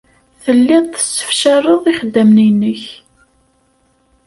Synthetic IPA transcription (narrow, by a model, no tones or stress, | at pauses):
θəlːɪðˤθə̥sːə̥fʃərˤəðˤiχəd̪ːæmninəç